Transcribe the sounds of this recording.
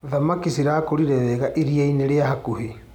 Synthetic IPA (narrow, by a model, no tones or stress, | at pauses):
ðamakisiɾakoɾiɾɛβɛɣaʔeɾiaineɾeahakuhe